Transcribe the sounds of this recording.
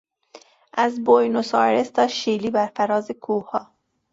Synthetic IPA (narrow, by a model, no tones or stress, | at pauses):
ʔæzbojnosɒ̰ːɾest̪ʰɒːʃiːliːbæɾfæɾɒːzekʰuːhɒː